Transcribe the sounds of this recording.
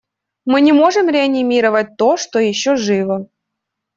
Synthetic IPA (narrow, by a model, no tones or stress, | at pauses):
mɨnʲɪmo̞ʐɨmɾʲɪɐnʲɪmʲiɾəvət̚ʲt̪oʂt̪ojɪɕːoʐɨvə